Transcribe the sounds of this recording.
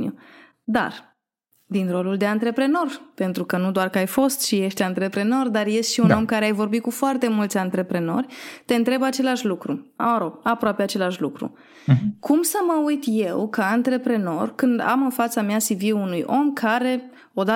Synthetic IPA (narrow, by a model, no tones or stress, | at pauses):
ṵ | d̪a̰r | d̪inɾo̞luld̪e̞ant̪ɾe̞pɾe̞no̞rpe̞nt̪ɾukənud̪oarkəajfo̞st̪ʃije̞ʃt̪ʲant̪ɾe̞pɾe̞no̞rd̪arje̞st̪ʃiuno̞mkaɾeajvo̞rbit̪̚kufoart̪e̞mult̪sʲant̪ɾe̞pɾe̞no̞̰rʲt̪e̞ɨnt̪ɾe̞bat͡ʃe̞laʃlukɾua̰məɾo̞b̥apɾoapeat͡ʃe̞laʃlukɾṵ | kʰumsəməujt̪je̞wkəant̪ɾe̞pɾe̞no̞̰rkɨnd̪a̰mɨnfat̪sameasivieunujo̞mkʰaɾe̞ | o̞d̪a